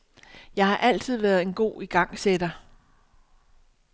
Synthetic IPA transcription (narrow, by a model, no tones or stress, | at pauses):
jɑ̈ɪhɑ̈ʔæl̰t͡sʰið̞̰ˠʋæːɐðˠe̝nɡ̥o̝̰ːiɡ̥ɑ̈ŋ̰sed̥ɐ